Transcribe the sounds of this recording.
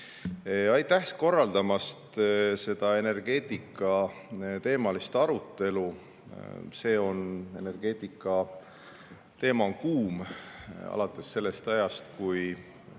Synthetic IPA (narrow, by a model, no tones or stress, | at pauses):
ɑjt̪ːæko̞rːɑld̪̥ɑmɑst̪se̞d̪̥ɑe̞ne̞rɡ̥e̞ːt̪ˑikːˑɑt̪e̞ːmɑlist̪ɑɾut̪ˑːe̞lu | se̞ːo̞ne̞ne̞rɡ̥e̞ːt̪ˑikːˑɑ | t̪e̞ːmɑkuːm | ɑ̰lɑt̪ːˑesːe̞lːe̞st̪ɑjɑst̪kuj